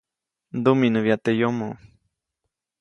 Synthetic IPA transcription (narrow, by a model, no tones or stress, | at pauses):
nd̪uminɨβjat̪ejomo